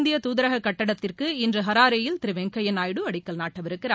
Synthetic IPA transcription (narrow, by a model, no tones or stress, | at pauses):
nd̪ɪjɐt̪uːðɪɾɐɣɐkːɐʈːɐɽɐt̪ːɪrkɯɪndrɯɦɐɾaːɾɐjɪlt̪ɪɾɪʋɛŋkɐjɐnaːjɽɯɐɽɪkːɐɭnaːʈːɐʋɪɾɯkːɪɾaː